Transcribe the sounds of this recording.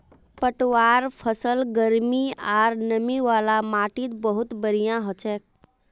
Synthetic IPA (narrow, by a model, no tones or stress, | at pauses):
pəʈʋaːɾpʰəsəlɡəɾmiaːɾnəmiʋaːlamaːʈit̪bəɦʊt̪bəɾijãɦɔt͡ʃeːk̚